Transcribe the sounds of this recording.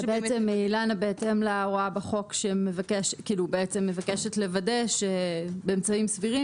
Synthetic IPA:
beet͡semeilanabeetemlaʁoabeχo̞kʃeme̞vakeʃkiːlubeet͡semːe̞vakeʃetle̞vade̞ʃebeːmt͡saimsviʁi

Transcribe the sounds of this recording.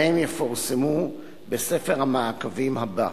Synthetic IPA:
emjefoʁsemu | besefeʁhamaakavimhaba

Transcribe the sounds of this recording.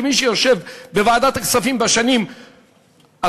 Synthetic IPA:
emiʃejoʃe̞vbevaːd̪at̪aksafimbaʃanim | a

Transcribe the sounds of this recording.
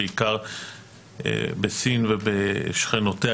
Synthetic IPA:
eikaʁ | besinvebeʃχenotea

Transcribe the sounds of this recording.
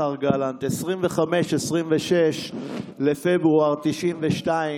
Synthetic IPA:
aʁɡalant̪esʁimveχameʃesʁimveʃeʃlefebuaʁt̪iʃimveʃtai

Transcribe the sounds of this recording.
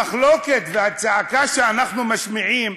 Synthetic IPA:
χloket̪veat͡sakaʃeanaχnumaʃmiʕim

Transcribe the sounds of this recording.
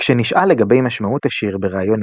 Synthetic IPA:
kʃeniʃʔale̞ɡabe̞jmaʃmautaʃiʁbe̞ʁaːjo̞n

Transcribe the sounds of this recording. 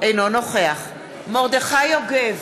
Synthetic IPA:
ejnonoχeaχ | moʁd̪eχajoɡev

